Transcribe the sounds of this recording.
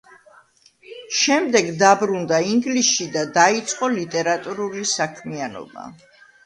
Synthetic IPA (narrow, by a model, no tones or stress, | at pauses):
ʃɛmd̪ɛɡd̪abɾund̪aiŋɡlisʃid̪ad̪ait̪sʼqʼɔlit̪ʼɛɾat̪ʼuɾulisakʰmianɔ̰ba̰